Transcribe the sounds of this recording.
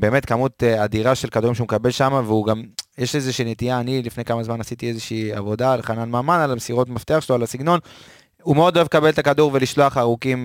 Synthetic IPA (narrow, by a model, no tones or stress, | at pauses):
be̞ːme̞tkamut̪adiʁaʃelkaduʁimʃeumekabe̞lʃamaveuɡamjeʃezeʃiːnetijaːnilifnejkamazmanasit̪iezeʃiːa̰vo̞dalχananmaːmanalamesiʁo̞tmaft̪eaχʃeloalasiɡno̞n | umeo̞d̪o̞elekabe̞lt̪akaduʁve̞liʃlo̞aχaʁukim